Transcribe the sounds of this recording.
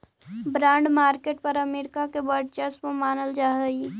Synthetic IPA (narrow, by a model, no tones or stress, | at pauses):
bɾãːɳɖmaːɾkeːʈ̚pəɾəmeːɾɪkakebəɾɖ̚t͡ʃəspomaːnəld͡ʒaːɦəi